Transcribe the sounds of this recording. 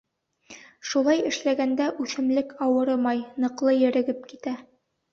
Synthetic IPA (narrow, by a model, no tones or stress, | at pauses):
ʃulˠɑjɘ̆ʃlæɡænd̪æʔʉθɘ̆mlɘkɑwɤ̆ɾɤmɑjnɤ̆qlˠɤjɘ̆ɾɘ̆ɡɘpkit̪æ